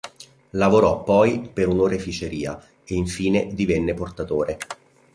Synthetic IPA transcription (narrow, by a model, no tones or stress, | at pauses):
lavoɾɔpːɔjpeɾunoːɾefit͡ʃeɾiːa | eiɱfiːned̪ivɛnːeport̪at̪oːɾe